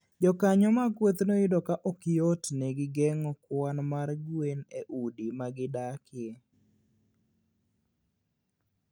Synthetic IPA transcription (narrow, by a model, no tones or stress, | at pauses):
d͡ʒɔkaɲɔmaɡwot̪noɪdɔkaʔɔkɪjɔtneɡɪɡɛŋɔkwanmarɡweneʔudimaɡɪdakɪe